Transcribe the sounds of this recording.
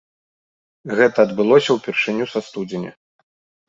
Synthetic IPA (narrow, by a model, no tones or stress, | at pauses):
ɣɛt̪ɐːd̪bɨlˠɔsʲɐwpʲɛrʂɨnʲusast̪ud͡zʲɪnʲɛ̰